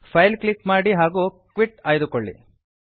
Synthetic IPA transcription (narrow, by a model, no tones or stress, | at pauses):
pʰɐjlkɭikmaːɽiɦaːɡuː | kʋiʈaːjd̪ukoɭːḭ